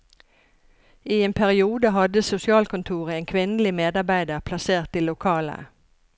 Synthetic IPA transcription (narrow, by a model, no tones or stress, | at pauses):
ʔiːeːnpʰæʁɪuːd̪əɦɑd̪əsʊsɪɑːlkʰʊnt̪ʰuːʁəeːŋkʰʋɪnəlɪmeːd̪ɑʁbæɪd̪əʁpʰlɑseːʁt̪ʰːɪlʊkʰɑːlə̰